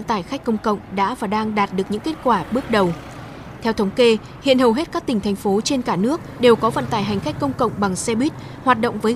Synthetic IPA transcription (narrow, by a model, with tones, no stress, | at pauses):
nt̪aː˧˩jxa˦˥k̟̚kə˧wŋ͡mkə̰˧˨wŋ͡mɗa̰ː˧˥vaː˨˩ɗaː˧ŋɗaː˨˩t̚ɗɨ˨˩ək̚ɲɨ̰˧˥ŋke˦˥t̚kwaː˧˩ɓɨ˦˥ək̚ɗə˨˩w | t̪ʰɛ˧wt̪ʰə˨˦wŋ͡mke˧ | hḭ˧˨ənhə˨˩wɦe˦˥t̚kaː˦˥kt̪ï˩ŋ̟t̪ʰjŋ̟fo˨˦t͡ɕe˧nkaː˧˩nɨ˦˥ək̚ɗe˨˩wkɔ˨˦və̰˧˨nt̪aː˧˩jɦa˨˩jŋ̟xa˦˥jk̟̚kə˧wŋ͡mkə̰˧˨wŋ͡mɓa˨˩ŋsɛ˧ɓwi˦˥t̚ | hwaː˨˩t̚ɗo̰˧˨wŋ͡mvəː˨˦